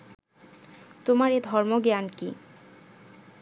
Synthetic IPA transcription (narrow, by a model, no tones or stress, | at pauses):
t̪omaɾed̪ʱɔɾmoɡeankḭ